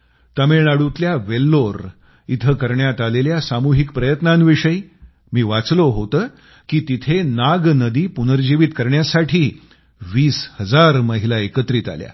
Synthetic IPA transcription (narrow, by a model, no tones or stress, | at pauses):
t̪əmenaɽut̪ljaʋelːoɾ | it̪ʰəkəɾɳjat̪aleljasamuɦikpɾəjət̪nãnʋiʂəj | miːʋat͡sloɦot̪əː | kiːt̪it̪ʰenaɡnəd̪iːpunəɾd͡ʑiʋit̪kəɾɳjasaʈʰiː | ʋiːshəd͡zaɾməɦilaekət̪ɾiːt̪a̰lja̰